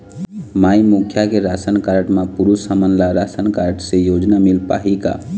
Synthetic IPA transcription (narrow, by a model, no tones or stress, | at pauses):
maimukʰjakeɾasənkaɾʈmapuɾusəmənlaɾasənkaɾʈsejod͡ʒnamilpa̰ɦika̰